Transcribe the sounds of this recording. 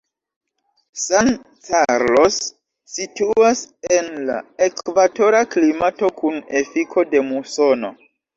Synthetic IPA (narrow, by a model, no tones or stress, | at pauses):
san | kaɾlo̞sː | ituasenla̰e̞kvato̞ɾaklimato̞kune̞fikʰo̞de̞musono̞̰